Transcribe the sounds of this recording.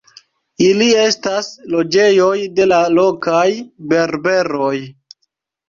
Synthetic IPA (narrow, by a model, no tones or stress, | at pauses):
ilie̞staslo̞d͡ʒe̞jo̞jde̞lalo̞kajbe̞ɾbe̞ɾo̞j